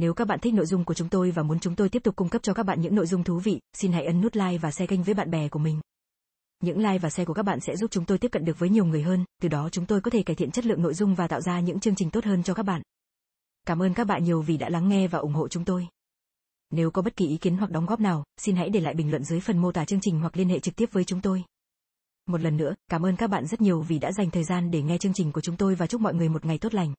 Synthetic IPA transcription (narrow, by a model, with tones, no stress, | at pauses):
ne˨˦wkaː˦˥k̚ɓa̰ː˧˨nt̪ʰi˦˥k̚no̰˧˨jzʊ˧ŋ͡mku˧˩ət͡ɕʊ˨˦ŋ͡mt̪o˧jvaː˨˩mu˨˦ənt͡ɕʊ˨˦ŋ͡mt̪o˧jt̪i˦˥əp̚tʊ˨˩k͡pkːʊ˧ŋ͡mkə˦˥p̚t͡ɕɔ˧kaː˦˥ɓa̰ː˧˨ɲɨ̰˧˥ŋno̰˧˨jzʊ˧ŋ͡mt̪ʰu˨˦vḭ˧˨si˧nɦa̰˧˥jʔə˨˦nːu˦˥t̚laː˧jvaː˨˩sɛ˧ɣa˧jŋ̟vəː˨˦jɓa̰ː˧˨nɓɛ˨˩ku˧˩əmï˨˩ŋ̟ | ɲɨ̰˧˥ŋlaː˧jvaː˨˩sɛ˧ku˧˩əka˦˥ɓa̰ː˧˨nsɛ̰˧˥zu˦˥p̚t͡ɕʊ˨˦ŋ͡mt̪o˧jt̪p̚kə̰˧˨nɗɨ˨˩ək̚vəː˨˦jɲ˨˩əwŋɨ˨˩əjɦəː˧nt̪ɨ˨˩ɗɔ˨˦t͡ɕʊ˨˦ŋ͡mt̪o˧jkɔ˨˦t̪ʰe˧˩kaː˧˩t̪ʰḭ˧˨nt͡ɕə˦˥t̚lɨ̰˧˨əŋno̰˧˨jzʊ˧ŋ͡mvaː˨˩t̪a̰ː˧˨wzaː˧ɲɨ̰˧˥ŋt͡ɕɨ˧əŋt͡ɕi̟˨˩t̪o˦˥t̚həː˧nt͡ɕɔ˧kaː˦˥k̚ɓa̰ː˧˨n | kaː˧˩mʔəː˧nkaː˦˥k̚ɓa̰ː˧˨nɲi˨˩əwvi˨˩ɗa̰ː˧˥la˨˦ŋːɛ˧vaː˨˩ʔʊ˨˩ŋ͡mho̰˧˨t͡ɕʊ˨˦ŋ͡mt̪o˧j | ne˨˦wkɔ˨˦ɓə˦˥t̚ki˨˩ʔi˨˦ki˨˦nɦwa˨˩k̚ɗɔ˨˦wŋ͡mɣɔ˦˥p̚naː˨˩wsi˧nɦa̰˧˥jɗe˧˩la̰ː˧˨jɓï˨˩ŋlwə̰˧˨nzɨ˨˦jfə˨˩nmo˧t̪aː˨˩t͡ɕɨ˧əŋt͡ɕï˨˩ŋ̟ɦwa˨˩k̚li˧ənhḛ˧˨t͡ɕɨ˨˩k̚t̪i˦˥əp̚vəː˨˦jt͡ɕʊ˨˦ŋ͡mt̪o˧j | mo˨˩t̚lə˨˩nːɨ̰˧˥əkaː˧˩mʔəː˧nkaː˦˥k̚ɓa̰ː˧˨nzə˦˥t̚ɲi˨˩əwvi˨˩ɗa̰ː˧˥za˨˩jŋ̟t̪ʰəː˨˩jzaː˧nɗe˧˩ŋɛ˧t͡ɕɨ˧əŋt͡ɕï˨˩ŋ̟ku˧˩ət͡ɕʊ˨˦ŋ͡mt̪o˧jvaː˨˩t͡ɕʊ˦˥k͡p̚mɔ̰˧˨jŋɨ˨˩əjmo˨t̚ŋa˨˩jt̪o˦˥t̚la˨˩jŋ̟